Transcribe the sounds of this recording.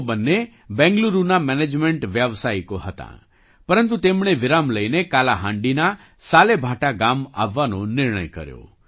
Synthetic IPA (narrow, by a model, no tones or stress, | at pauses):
bənːe | bɛ̃ŋɡluɾunamɛned͡ʒmeɳʈʋjaʋsajkoɦət̪ã̰ | pəɾənt̪ut̪emɽ̃eʋiɾamləjnekalaɦãɳɖina | salebʱaʈaɡama̰ʋːanonɪɾɳ̃ə̰jkə̰ɾjo̰